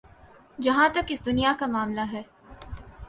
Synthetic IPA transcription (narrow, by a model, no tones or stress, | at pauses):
d͡ʒɐɦãt̪ɐkɪsd̪ʊnijakamaːmlaɦɛː